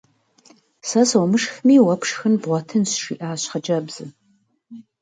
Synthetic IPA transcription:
sɐsɐwmɨʂxmiːwɐpʰʂxɨnbʁʷɔtʰɨnsʂḭːʔaːɕχɐd͡ʒɐbz̥ɨ

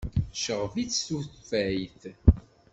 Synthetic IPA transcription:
ʃəʁvit͡sːsuθfæjθ

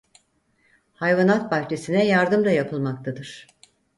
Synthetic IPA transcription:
hajvanat̪̚baht͡ʃʰe̞sinɛjaɾd̪ɯmd̪ajapʰɯlˠmak̚t̪ʰad̪ɯɾ̥

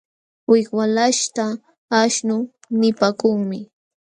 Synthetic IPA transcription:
wɪkwalaʃt̪a | aʃnʊ | nɪpaːkʊŋmɪ

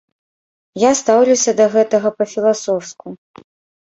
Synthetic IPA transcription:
jast̪awlʲusʲɐd̪ɐɣɛt̪ɐɣɐpɐfʲilˠasɔwsku

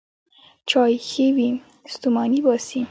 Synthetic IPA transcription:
t͡ʃɑjxewi | st̪umɑnibɑsi

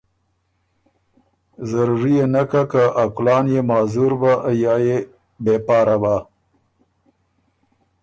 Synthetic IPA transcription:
zaɾuʐijenakakaʔaklɑːnjemɑːzuɾbaʔajɑːje | bepɑːɾaba

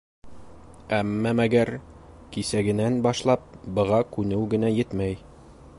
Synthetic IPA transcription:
æmːæmæɡæɾ | kisæɡɘ̆nænbɑʃlˠɑp̚bɤ̆ʁɑkʉnɘwɡɘ̆næjɘt̪mæj

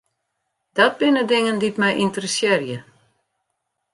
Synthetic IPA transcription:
d̥ɔt̚bɪnədɪŋənditmɛjʔintərəsjɪrjə

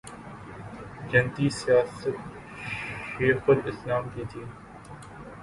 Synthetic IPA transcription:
d͡ʒɐnt̪iːsijaːsət̪ | ʃeːxpəɾɪslaːmkiːt̪ʰiː

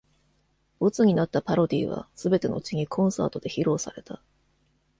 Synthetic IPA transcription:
bot͡sɨɲ̟inat̪ːapaɾo̞d̪ʲiːβa̰sɨbe̞t̪e̞no̞̰t͡ɕiɲ̟ikʰõ̞ɰ̃sa̰ːt̪o̞d̪e̞çiɾo̞ːsa̰ɾe̞t̪a

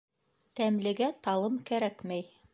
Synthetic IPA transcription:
t̪æmlɘ̆ɡæt̪ɑlˠɤmkæɾækmæj

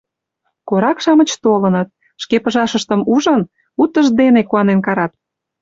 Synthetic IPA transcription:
koɾɑkʃɑmə̆t͡ɕt̪olə̆nət̪̚ | ʃkepəʒɑʃəʃt̪əmuʒən | ut̪ːəʒd̪enekuɑnenkɑɾɑt̪̚

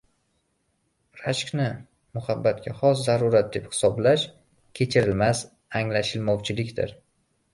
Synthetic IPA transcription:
ɾaʃkʲnɪ | mʊhabːat̪kʲaχɒszaɾʊɾat̪̚d̪e̞phɪ̥sɒblaʃ | kʲʰe̞t͡ʃʰɪɾɪlmas | aŋlaʃɪlmɒwt͡ʃʰɪlɪkʲt̪ʰɪ̰ɾ

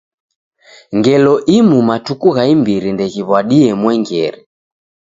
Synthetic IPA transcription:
ŋɡɛlɔʔimumatukuɣaimbiɾindɛɣiβwaɗiɛmwɛŋɡɛɾi

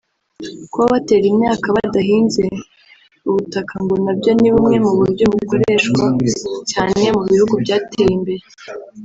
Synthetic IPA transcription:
kwoβate̞ːɾimɲaːkaβadaɦiːnze̞ | uβutakʰaŋɡo̞nabɟo̞niβumŋe̞muβuɟuβuko̞ɾe̞ʃkwacaːne̞muβihuɡubɟaːtʰejimbe̞ɾe

